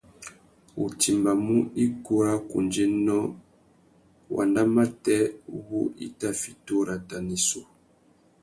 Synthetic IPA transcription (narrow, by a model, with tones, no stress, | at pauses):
ṵ˨ti˨mba˨mu˦i˦ku˦a˦kṵ˨nd͡ʒe˦nɔ˦ | wʔa̰˨nda˦ma˦tɛ˦βu˦ḭ˦ta˦fi˨to˦ɾa˨ta˨ni˨so˨